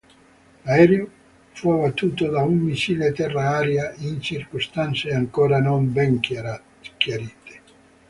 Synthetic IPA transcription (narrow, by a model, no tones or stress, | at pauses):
laɛːɾjo | fuabat̪ːuːt̪od̪aumːit͡ʃiːlet̪ɛrːaaːɾjaint͡ʃirkost̪ant̪seaŋkɔːɾanombɛŋ | kjaɾiːt̪e̥